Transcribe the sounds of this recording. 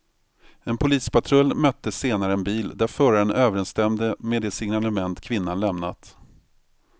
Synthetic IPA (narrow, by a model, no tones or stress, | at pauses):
ɛnpʰʊliːspat̪ʰɾœlːmœt̪ːəseːnaɾəɛnbiːld̪æɾfœɾaɾənʔøːvəɾɛnst̪ɛmd̪əmed̪ɛːsɪŋnaləmɛnt̪kʰvɪn̪ːanlɛmna̰t̪